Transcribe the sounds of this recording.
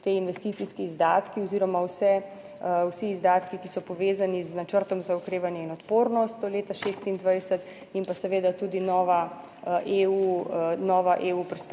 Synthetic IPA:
t̪einʋɛst̪it̪siskiːzd̪aːt̪kiɔziːɾɔmawsɛ | wsiːzd̪aːt̪kikisɔpɔʋeːzaniznat͡ʃəɾt̪ɔmzaukɾeːʋanjɛinɔt̪poːɾnɔst̪ɔleːt̪aʃeːst̪ind̪ʋajsət̪ | impasɛʋeːd̪at̪uːd̪inɔːʋa | ʔeunɔːʋaʔeːupɛɾsp

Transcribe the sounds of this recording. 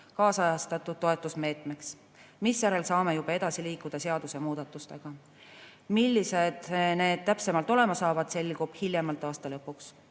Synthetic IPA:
kɑːsɑjɑst̪ɑt̪ːˑud̪̥̚t̪ːo̞e̞t̪ːˑusme̞ːt̪ˑmeks | misjæɾe̞lsɑːme̞jub̥ɑe̞d̪̥ɑsiliːkːˑud̪̥ɑse̞ɑd̪̥use̞muːd̪̥ɑt̪ːˑust̪e̞ɡ̥ɑ | milʲːised̪̥ne̞ːd̪̥̚t̪æpse̞mɑlt̪ːˑo̞le̞mɑsɑːvɑd̪̥se̞lʲɡub̥hiljemɑlt̪ːˑɑːst̪ɑlɤpːˑuks

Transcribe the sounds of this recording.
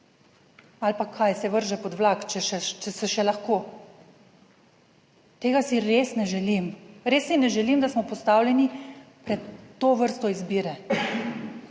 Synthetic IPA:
alpakʰːajsɛʋəɾʒɛpɔd̪ʋlakt͡ʃɛʃɛt͡ʃɛsɛʃɛlaxkoː | t̪eːɡasiɾesnɛʒɛlimɾeːsːinɛʒɛlimd̪asmɔpɔst̪awlʲjɛnipɾɛt̪ːoʋəɾst̪ɔizbiːɾɛ

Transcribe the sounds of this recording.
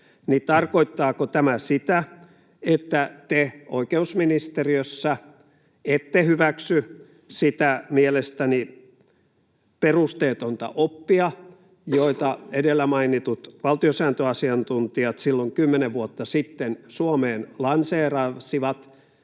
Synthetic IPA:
nit̪ɑrkoit̪ːɑːkot̪æmæsit̪æ | et̪ːæt̪eoikeusminist̪eriøsːæ | et̪ːehyʋæksy | sit̪æmielest̪æni | perust̪eːt̪ont̪ɑ̰ʔopːiɑ | joit̪ɑedelːæmɑinit̪ut̪ʋɑlt̪iosæːnt̪øɑsiɑnt̪unt̪iɑt̪silːoŋkymːeneʋʋuot̪ːɑsit̪ːensuomeːnlɑnseːrɑsiʋɑt̪

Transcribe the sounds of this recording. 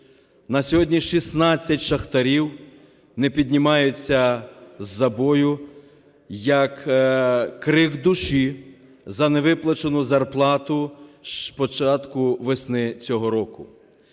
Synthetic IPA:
nɐsʲɔɦɔdʲnʲiʃisnɑt͡sʲːɐtʲʃɐxt̪ɐɾʲiw | nɛpʲid̪ʲnʲimɑjʊt͡sʲːɐzːɐbɔjʊ | jɐkː | ɾɪɡd̪ʊʃi | zɐneʋɪplˠɐt͡ʃenʊzɐrplˠɑt̪ʊʃpɔt͡ʃɑt̪kʊʋesnɪt͡sʲɔɦɔɾɔkʊ

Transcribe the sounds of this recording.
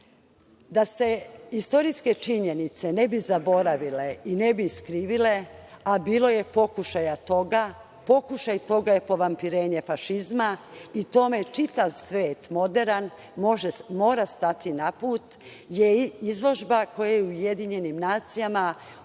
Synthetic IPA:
d̪ase̞ist̪o̞ɾiske̞t͡ʃiɲe̞nit̪se̞ne̞bizabo̞ɾaʋile̞ine̞biiskɾiːʋile̞abiːlˠo̞je̞po̞kuʃajat̪oɡa | po̞kuʃajt̪o̞ɡajepo̞ʋampiɾe̞ːɲe̞faʃizmait̪o̞met͡ʃit̪aʋsʋe̞ːt̪mo̞d̪e̞ɾan | ʒemo̞ːɾast̪at̪inapuːt̪ | jeizlˠo̞ʒbako̞jajeuje̞d̪iɲe̞nimnaːt̪sijama

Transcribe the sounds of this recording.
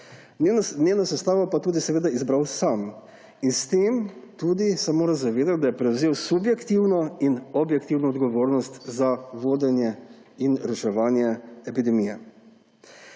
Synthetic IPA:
nenasɛst̪aːʋapat̪uːd̪isɛʋeːd̪aizbɾawsam | inst̪eːmt̪uːd̪isɛmoːɾazaʋeːd̪at̪̚d̪ajɛpɾɛwzeːwsubjɛkt̪iwnɔinɔbjɛkt̪iwnɔːd̪ɡɔʋoːɾnɔst̪zaʋoːd̪ɛnjɛ | inɾɛʃɛʋaːnjɛɛpid̪ɛmijɛ

